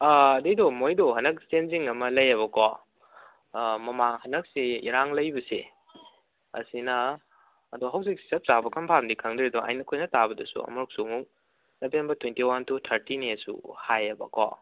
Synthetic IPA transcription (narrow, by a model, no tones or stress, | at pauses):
aɐdijdɔmojdɔɦɐnɐk̚senziŋɐmɐlɐjɐβɐkʰɔ | mɐmaŋhɐnɐk̚siiɾaŋlɐjbɐsḛ | ɐ̰sinɐː | duɦɐwzik̚si̥sɐp̚sabɐkʰɐnpʰamdikʰɐŋdɾidɔa̰jnɐkʰojnɐtabɐdɐsṵɐ̰mɔɾk̚sumuk̚ | nɐbʰenbɐtʰwentiwantʰutʰɐɾtinesṵhajɐbɐ̰kʰɔ̰